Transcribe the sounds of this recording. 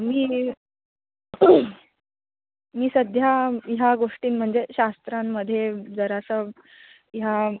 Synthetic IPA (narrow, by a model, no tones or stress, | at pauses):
miː | miːsəd̪ʱjaɦjaɡoʂʈiːnm̤əɳd͡zeɕast̪ɾamːəd̪ʱjed͡zəɾasə | ja